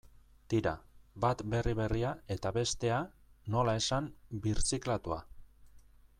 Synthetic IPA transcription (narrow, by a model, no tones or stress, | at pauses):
t̪iɾa̰bat̪be̞riβe̞riae̞t̪aβe̞st̪e̞a | no̞lae̞sambiɾt͡siklat̪ua̰